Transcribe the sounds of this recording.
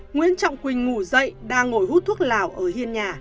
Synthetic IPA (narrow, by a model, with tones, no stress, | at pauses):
ŋwḭ˧˥ənt͡ɕɔ̰˧˨wŋ͡mkwï˨˩ŋ̟ŋu˧˩zə̰˧˨jɗaː˧ŋːo˧˩jhu˦˥t̪ʰu˦˥ə˥k̚laː˨˩wʔəː˧˩hi˧ənɲaː˨˩